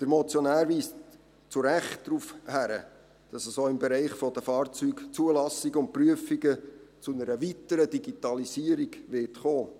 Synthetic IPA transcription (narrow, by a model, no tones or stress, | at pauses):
d̪̥əɾmɔt͡sjonæːɾviːs | t͡sʊɾæχtd̥ɾuːfhæɾə̰ | d̥ɑsəsoːɪmbɛɾɛɪχfɔd̥əfɑːrt͡syːkt͡suəlɑsɪɡəʊnt̚pryəfiɡət͡sʊnəɾəʋitəɾədiɡit̪ɑlisiəɾiɡʋɪrtχoː